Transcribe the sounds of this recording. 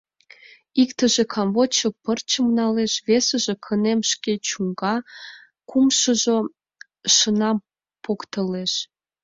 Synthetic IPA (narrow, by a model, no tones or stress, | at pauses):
ikt̪əʒĕkʰɑmβot͡ɕə̆pərt͡ɕəmnɑleʃβesə̆ʒĕkʰənemʃket͡ɕuŋɡɑ | kumʃəʒo | ʃənɑm | pokt̪əleʃ